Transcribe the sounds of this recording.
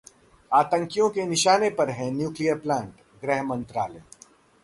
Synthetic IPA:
aːt̪ə̃ŋkijõkenɪʃaːnepɐɾɦɛ̃njuːklijəɾplɛ̃ːɳʈ | ɡɾɛːɦmɐ̃nt̪ɾaːle

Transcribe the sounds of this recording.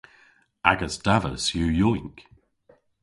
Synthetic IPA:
aɡəsd̥avə̰sjuːjɔiŋk

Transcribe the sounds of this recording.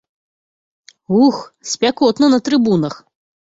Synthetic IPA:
uxsʲpʲakɔt̪nɐnɐt̪ɾɨbunɐx

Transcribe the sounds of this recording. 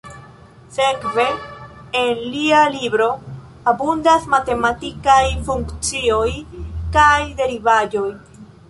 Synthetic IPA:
se̞kve̞ | enlialibɾo̞ | abundasmate̞matikajfuŋkt͡sio̞jkajde̞ɾivad͡ʒo̞j

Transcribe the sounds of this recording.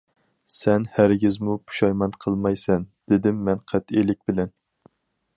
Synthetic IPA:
sɛnhæɾɡʲizmupʰu̥ʃɑjmɑnqʰəlˠmɑjsɛnd̪̥ɪd̪ɪmːɛnqʰæt̪ilɪk̚ʲbɪlɛn

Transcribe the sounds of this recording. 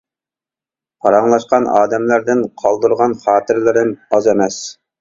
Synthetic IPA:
qʰɑɾɑŋlˠɑʃqɑnɑːd̪ɛmlæɾd̪ɪnqʰɑlˠd̪uɾʁɑnχɑːt̪ʰɪɾlɪɾɪnɑzemɛs

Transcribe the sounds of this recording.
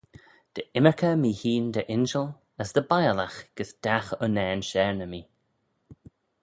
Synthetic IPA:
d̪̥əɪməɹkʰəmiːhiːnd̪əʔɪnʃəl | əsd̪əbajəlaxɡ̥əsd̪̥axənɛːnʃɛɹnəmiː

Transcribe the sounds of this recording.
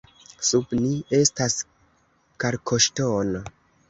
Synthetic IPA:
subnie̞stas | kaɾkʰoʃtono

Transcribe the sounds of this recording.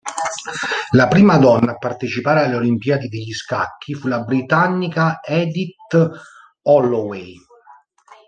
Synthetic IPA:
lapɾiːmad̪ɔnːaːpːart̪et͡ʃipaːɾealːeolimpjaːd̪id̪eʎːiska̰kʰːifulabɾit̪anːikaɛd̪it̪ | ɔlːowej

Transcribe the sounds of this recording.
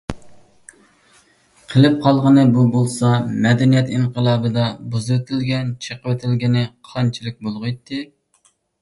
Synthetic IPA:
qʰəlˠɨp̚qʰɑlˠʁənɨbubolˠsɑmɛd̪ɛnijɛt̪iɴqəlˠɑːbɨd̪ɑbuzɨwet̪ʰɪlɡʲɛnt͡ʃʰəqəwet̪ʰɪlɡʲinɪqʰɑnt͡ʃʰilˠɪk̚ʲbolˠʁʊjt̪ːɨ

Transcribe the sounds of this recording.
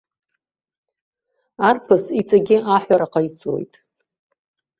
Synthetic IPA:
arpʰasit͡sʼaɡʲɪaħʷaɾaqait͡sʰʼo̰jtʼ

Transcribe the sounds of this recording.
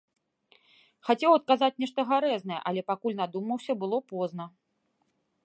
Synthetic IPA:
xat͡sʲɛwɐt̪̚kazat͡sʲnʲɛʂt̪ɐɣaɾɛzn̪ɐjɛ̰ʔalʲɛpakulʲnad̪umɐwsʲɐbɨlˠɔpɔznɐ

